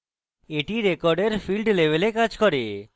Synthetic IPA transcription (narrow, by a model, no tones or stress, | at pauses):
eʈiɾekɔɾɖeɾfʰilɖlebelekad͡ʑkɔɾe